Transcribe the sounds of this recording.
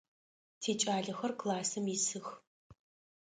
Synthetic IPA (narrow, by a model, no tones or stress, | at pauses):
tʰeːt͡ʃʼaːɮɐxɐrkʰlaːsɐmisɨx